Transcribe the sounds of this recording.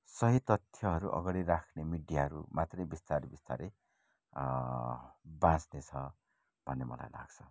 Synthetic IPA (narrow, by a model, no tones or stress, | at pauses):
sʌɦit̪ʌt̪ʰjʌɦʌɾuʔʌ̰ɡaɽiɾakʰnemiɖijaɦʌɾumat̪rʌjbist̪aɾibist̪aɾe | bãsnet͡sʰʌ | bʱʌnːemʌ̰la̰jla̰ɡt͡sʰʌ̥